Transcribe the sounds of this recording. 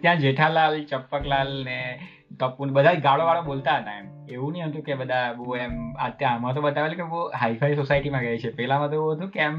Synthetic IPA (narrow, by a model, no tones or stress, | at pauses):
t̪jãd͡ʒeʈʰalalt͡ʃəpːəklalne | t̪əpunbəd̪ʱad͡ʒɡaɭoʋaɭobolt̪aɦət̪aem | eũniɦə̃t̪ũkebəd̪ʱaboemət̪jãɦəmat̪̬obət̪aʋelkeboɦaifʰaisosaiʈimãɡəjt͡ʃʰepɛɦlãmãt̪eũɦət̪ũkeem